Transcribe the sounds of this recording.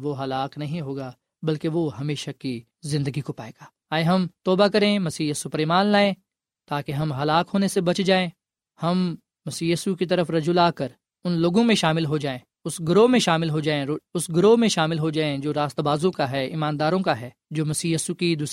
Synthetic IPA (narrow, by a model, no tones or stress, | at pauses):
ʋoɦɐlaːknɐɦĩɦoːɡaː | bɐlkeʋoɦɐmeːʃaki | zɪ̃nd̪əɡikopaːeːɡaː | aːeɦɐmt̪ɔːbakɐɾẽmɐsiːjɐsupɐɾemaːnlaːẽː | t̪aːkeɦɐmɦɐlaːkɦoːnesebɐt͡ʃd͡ʒaːẽː | hɐmː | ɐsiːjiːsukit̪̬ɐɾəfɾɐd͡ʒulaːkəɾ | ʊnloːɡõmẽʃaːmɪlɦod͡ʒaːẽː | ʊsɡʊɾoːmẽʃaːmɪlɦod͡ʒaːẽʊsɡʊɾoːmẽʃaːmɪlɦod͡ʒaːẽd͡ʒoːɾaːst̪baːzõkaɦɛːɪ̰mãːnd̪aːɾõkaɦɛː | d͡ʒoːmɐsiːjiːsukid̪uːs